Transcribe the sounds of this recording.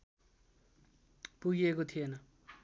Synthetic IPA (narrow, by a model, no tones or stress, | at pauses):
puɡiekot̪ʰijenʌ